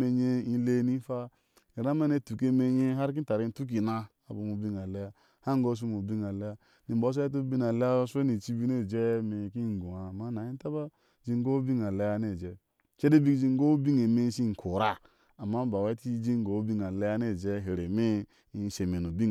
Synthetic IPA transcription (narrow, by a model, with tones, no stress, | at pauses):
e˨ɲe˦i˦le˦ni˦fa˦ | i˨ɾa˦me˦ne˦˨tu˨ke˦me˨ɲe˦ɦa˦ɾk̬i˦ta˨ɾi˦n˦tu˦k̬i˨na˦a˨bo˨mu˨bi˦ŋa˨le˦ja˦ | ha˦ŋ˦ɡo˦s̬u˦mo˨bi˦ŋa˨le˦ja˦ | ni˨bo˦e˦t̬u˦bi˦na˨le˦ja˦se˦ni˨t͡ʃi˦bi˦ne˦˨d͡ʒe˦me˨ki˦ŋ˨ɡu˨a˨ma˦na˨i˦ta˦ba˦ | d͡ʒi˦ŋ˦ɡo˦bi˦ŋa˨le˦ja˦ne˦˨d͡ʒe˨ | t͡ʃe˦de˦bi˦kd͡ʒi˦ŋ˦ɡo˦bi˦ŋe˨me˦si˦˨kʰo˨ɾa˨ | a˨mːa˦ba˨we˦ti˦d͡ʒi˦ŋ˦ɡo˨˦bi˦ŋa˨le˦ja˦ne˦˨d͡ʒe˦ɦe˨ɾe˨me˦ | i˦se˨me˨nu˨bi˦˨